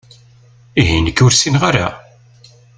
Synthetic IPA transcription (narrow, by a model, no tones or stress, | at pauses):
iɦinəkːʊɾsinʁaɾa̰